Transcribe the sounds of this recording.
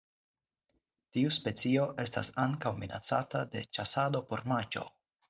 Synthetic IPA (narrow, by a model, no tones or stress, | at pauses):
tiuspe̞t͡sio̞ʔe̞sta̰saŋkawmina̰t͡satade̞̰t͡ʃasado̞po̞ɾmat͡ʃo̞̰